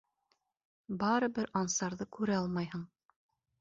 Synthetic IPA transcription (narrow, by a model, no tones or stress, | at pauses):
bɑɾɤ̆bɘɾʔɑnsɑɾðɤkʉɾæɑlˠmɑjhɤɴ